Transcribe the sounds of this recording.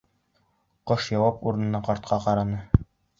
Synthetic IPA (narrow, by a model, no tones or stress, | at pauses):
qoʃjɑwɑpuɾɤ̆nɤ̆nɑqɒɾt̪̚qʰɑqɑɾɑnɤ